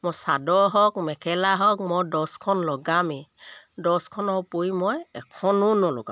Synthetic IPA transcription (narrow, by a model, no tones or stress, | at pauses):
mɔsadɔɦɔkmɛkʰɛlaɦɔk̚mɔdɔskʰɔnlɔɡami | dɔskʰɔnɔpoimɔjɛkʰɔnʊnɔlɔ̰ɡa̰